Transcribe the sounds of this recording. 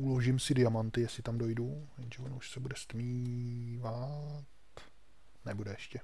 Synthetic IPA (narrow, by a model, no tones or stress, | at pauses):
ʔuloʒimsɪdɪjamant̪ɪjɛsɪt̪amdo̞jduvɛnʒɛvonuʃsɛbudɛst̪mivat̪ | nɛbudɛɛʃcɛ